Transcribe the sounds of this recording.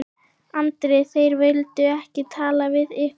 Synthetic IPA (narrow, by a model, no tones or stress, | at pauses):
ant̪ɾejθejɾvelt̪ʏɛhcɪt̪ʰaːlavɪðɪh